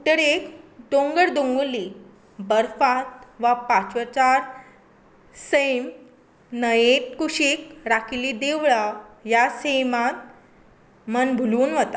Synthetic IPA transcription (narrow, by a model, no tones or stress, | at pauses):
t̪əɽekd̪oŋɡəɽd̪õŋɡli | bəɾfat̪̚ʋapat͡ɕət͡ɕaɾ | səjm | nəjeʈ̚kuɕiːkɾakilid̪eʋɭajasəjmat̪̚ | mənbʱuluːnʋət̪a